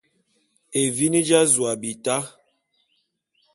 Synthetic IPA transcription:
e˨vi˦ni˦d͡ʒa˦zwa˨bi˨ta˦

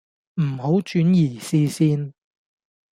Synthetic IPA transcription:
m̩˨˩ho˨˥wt͡ʃyː˨˥njiː˨˩siː˧siː˥n

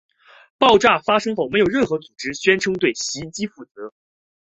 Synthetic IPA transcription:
pɑ˥˧ʊʈ͡ʂa˥˩fa˥ʂɤ˥ŋxo˥˩ʊme˧˥jʊɻə˥˩nxɤ˧˥t͡su˨˩ʈ͡ʂɻ̩˥ɕɥɛ˥nʈ͡ʂʰɤ˥ŋt̪we˥˩ɪɕi˧˥t͡ɕi˥fu˥˩t͡sɤ˧˥

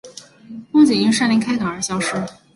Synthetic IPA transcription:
kʊ˥ŋt͡ɕɛ˨˩i˥ʂa˥˩nli˧˥ŋkʰa˥ɪkɑ˨˩ŋə˞˨˧˥ɕjɑ˥ʊʂɻ̩˥˩

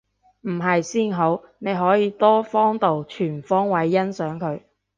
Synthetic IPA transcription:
m̩˨˩ɦɐ˨jsiː˥nɦo˨˥w | ne˨˧jɦɔː˨˥jiː˨˧t̪ɔː˥fɔː˥ŋt̪o˨wt͡ʃʰyː˨˩nfɔː˥ŋwɐ˨˥jːɐ˥nsœː˨˥ŋkʰɵ˨˧ɥ

